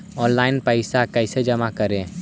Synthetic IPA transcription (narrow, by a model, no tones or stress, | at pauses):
ɔ̃ːnlaːɪnpəɪsakɛɪsed͡ʒɐmakɐɾẽ